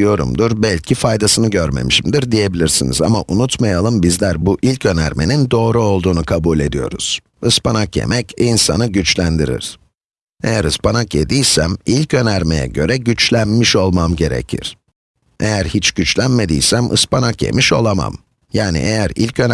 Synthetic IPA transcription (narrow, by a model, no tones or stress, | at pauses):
ijo̞ɾṵmd̪uɾbælʲcʰifajd̪asɯnɯɟøɾme̞̰miʃimd̪iɾd̪ije̞bilʲiɾsinḭza̰maʔunut̪majalˠɯmbizlʲæɾbuʔilʲcʰø̞næ̰ɾme̞nind̪o̞ːɾuo̞lˠd̪uːnukʰabulʲe̞d̪ijo̞̰ɾṵz̥ | ɯspʰanakjḛmɛcʰinsanɯɟyt͡ʃlʲænd̪iɾḭɾ̥ | ejæɾɯspanakjed̪ijsæmilʲcʰø̞næɾme̞̰jɛ̰ɟø̞ɾɛɟyt͡ʃlʲænmiʃo̞lˠmamɟe̞ɾḛcʰḭɾ̥ | ejæɾhit͡ʃɟ̥yt͡ʃlʲænme̞d̪ḭjsæmʔɯ̰spanakje̞̰miʃo̞̰lˠama̰m | jaːnḭʔejæɾilʲcʰø̞n